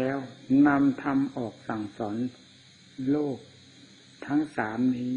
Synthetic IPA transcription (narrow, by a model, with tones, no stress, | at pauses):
ɛː˦˥wna˧mt̪ʰa˧mʔɔː˨˩k̚sa˨˩ŋsɔː˩˦n | loː˥˩k̚ | t̪ʰa˦˥ŋsaː˩˦mniː˦˥